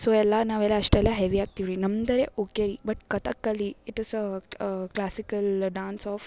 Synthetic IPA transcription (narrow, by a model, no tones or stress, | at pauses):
soːɛlːɐnaːʋɛlːɐːʂʈɛlːɐɦeʋiaːɡ̚t̪iʋiɾinɐmd̪ɐɾeʔuɡeɾibɐʈ̚kɐt̪ɐkːɐlːiɪʈɪs | klaːsikɐlɖaːnsɔːf